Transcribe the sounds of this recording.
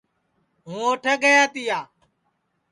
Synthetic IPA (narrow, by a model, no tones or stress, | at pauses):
ɦũːoːʈʰəːɡəjaːt̪iːjaː